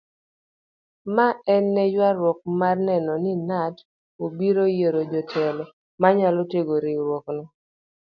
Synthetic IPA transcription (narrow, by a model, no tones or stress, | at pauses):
maɛnːɛd͡ʒwaɾwɔk̚marnɛnɔninat | obiɾojeɾod͡ʒɔtʰɛlɔ | maɲalɔteɡoɾiɾwɔknɔ